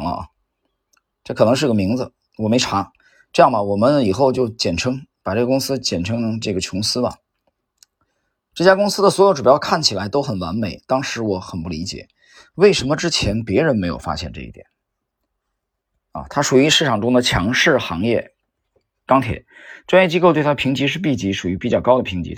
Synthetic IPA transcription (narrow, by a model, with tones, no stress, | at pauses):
lə̰˧˩ | ʈ͡ʂɤ˥˩kʰɤ˨˩n˧˥ʂɻ̩˥˧˥ɡə˨mi˧˥ŋd͡zɹ̩˧ | wɔ˨˩me˧˥ɪʈ͡ʂʰa˧˥ | ʈ͡ʂɤ˥˧jɑ˥˩ŋmɐ˩wɔ˨˩mə˦ni˨˩xo˥˧ʊt͡ɕjo˥˩ʊt͡ɕjɛ˨˩nʈ͡ʂʰɤ˥ŋpa˨˩ʈ͡ʂɤ˥˩ɡə˩kʊ˥ŋsɹ̩˥t͡ɕjɛ˨˩nʈ͡ʂʰɤ˥ŋ˧ʈ͡ʂɤ˥˩ɡə˩t͡ɕʰʊ˧˥ŋsɹ̩˥mɐ̰˨ | ʈ͡ʂɤ˥˩t͡ɕja˥kʊ˥ŋsɹ̩˥d̪ə˨swɔ˧˥jo˨˥ʊʈ͡ʂu˨˩jɑ˥ʊkʰa˥˩nt͡ɕʰi˨˩la˧˥ɪt̪o˥ʊxə˨˩nwa̰˧˥nme˨˩˦ɪt̪ɑ˥ŋʂɻ̩˧˥wɔ˧˥xə˨˩npu˥˩li˧˥t͡ɕjɛ̰˨˩˦ | we˥˩ɪʂə˧˥nmə˧ʈ͡ʂɻ̩˥t͡ɕʰjɛ˧˥npjɛ˧˥ɻə˧˥nme˧˥ɪjo˨˩ʊfa̰˥ɕjɛ˥˧nʈ͡ʂɤ̰˥˧ḭ˥˩jɛ̰˨˩˦n | ɐ̰˧t̪ʰa˥ʂu˨˩y˧˥ʂɻ̩˥˩ʈ͡ʂʰɑ˨˩ŋʈ͡ʂʊ˥ŋd̪ə˨t͡ɕʰjɑ̰˧˥ŋʂɻ̩˥˩xɑ̰˧˥ŋjɛ̰˥˩ | kɑ˥ŋt̪ʰjɛ̰˨˥˦nʈ͡ʂwa˥njɛ˥˩t͡ɕi˥ko˥˧t̪we˥˩ɪa˥˩˧pʰi˧˥ŋt͡ɕi˧˥ʂ̬ɻ̩˥˧pi˥˩t͡ɕi˧˥ʂu˨˩y˧˥pi˨˩t͡ɕjɑ˥˩kɑ˥ʊd̪ə˨pʰi˧˥ŋt͡ɕḭ˧˥